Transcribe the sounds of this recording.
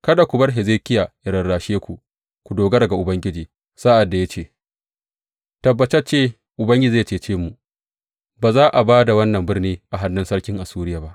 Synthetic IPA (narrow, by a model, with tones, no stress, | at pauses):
kɐ˦da˨kʷu˨bɐ˦rɦe˨zeː˦˨kʲɪ˦jaː˨jɪ˨ɽɐ˨rɽaː˨ʃeː˦kʷu˨ | kʷu˨doː˨ɡɐ˦ɽɐ˨ɡa˨ʔʊ˨bɐ˦ŋɡʲɪ˦d͡ʒiː˨ | sa˦ʔa˨dːa˨ja˦t͡ʃeː˦˨ | tɐ˨bːɐ˨t͡ʃɛ˦t͡ʃeː˦ | ʔʊ˨bɐ˦ŋɡʲɪ˦d͡ʒiː˨˦t͡ʃeː˦˨t͡ʃeː˦mu˨ | baː˨zaː˦ʔa˨baː˦da˨wɐ˦nːɐ˨mbɪ˦rniː˦ʔa˨ɦa˦nːɪ˦nsɐ˦ɽkʲɪ˦ŋʔa˨suː˦ɾɪ˦jaː˨ba˦ʔ